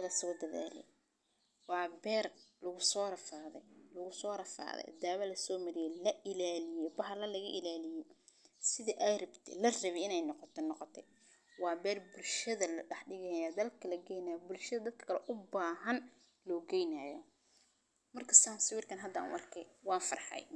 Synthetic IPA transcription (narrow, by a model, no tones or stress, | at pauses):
ɐlɐsɐd̪ɐða̰ːlɛ̰j | wɑːbɛːrlɐɣʊsɔːɾɐfaːðɛ̰jlʊɣʊsɔːɾɐfa̰ːðɛ̰d̪aːβɐlɐsɔːmɐɾɪjɛlɐʔɪlaːlɪjɛbɐɦɐlɐlɐɣɐʔɪlaːlɪjɛjsɪðɐʔɛjɾɐbt̪ʰɪ̰lɐrɐβɛɪnɛjnɔqɔt̪ʰɔnɔqɔt̪ʰɛ | wɑːbɛːrbʊlʃɐðɐlɐɖɐħɖɪɣɐjad̪ɐlkʰɐlɐɡɛjnaːjɔbʊlʃɐðɐd̪ɐd̪̚kʰɐ̥kʰɐlɛʔʊbaːɦɐn | lɔːɡɛjnaːjɔ | mɐrkʰɐsaːnsɪwɪrkʰɐnɦɐd̪ɐ̰nʔɑ̰rkʰɛjwɑːnfɐ̰rħɑ̰j